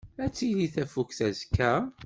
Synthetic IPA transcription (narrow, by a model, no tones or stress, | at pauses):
æt͡sːiðiθæfukθæzkːæ